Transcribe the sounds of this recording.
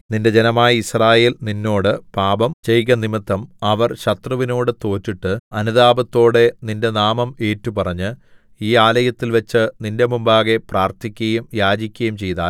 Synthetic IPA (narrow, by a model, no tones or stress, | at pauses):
ninde̞d͡ʑe̞nɐmaːjɐisraːje̞ːlninːo̞ːɽɨpaːbɐmt͡ɕe̞jɣɐnimit̪ːɐmɐʋɐrɕɐt̪rɐʋino̞ːɽɨt̪o̞ːtːiʈːɨɐnuðaːbɐt̪ːo̞ːɽe̞ninde̞naːmɐme̞ːtːupɐrɐɲːɨ | iːaːlɐjɐt̪ːilʋɐt͡ɕːɨninde̞mumbaːɣe̞praːrt̪ʰikʲːɐjumjaːd͡ʑikʲːɐjumt͡ɕe̞jt̪a̰ːl